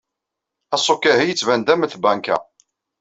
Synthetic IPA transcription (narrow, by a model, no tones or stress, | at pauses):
æsˤokːæhijət͡sːvænd̪æməθbæŋkæ̰